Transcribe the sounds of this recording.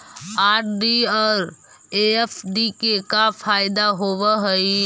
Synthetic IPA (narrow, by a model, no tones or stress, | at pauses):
aːʈ̚ʰɖiɔːɾ | eefʰɖikekafʰaːɪd̪aɦoʋəɦəi